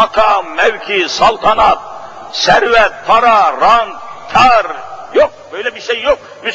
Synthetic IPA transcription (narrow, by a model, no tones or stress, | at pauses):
ɑqʰɑmːæwkʰʲisɑlˠt̪ʰɑnɑt̪̚ | sæɾvæt̪̚pʰɑɾɑɾɑnt̪kʰɑɾjoq̚bøjlæbiɾʃejːok̚ | mys